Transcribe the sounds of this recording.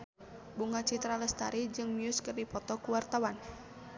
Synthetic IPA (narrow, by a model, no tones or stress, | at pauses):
buŋat͡ʃit̪ɾaləst̪aɾid͡ʒɨŋmiʊskərdipɔt̪ɔkuwart̪awan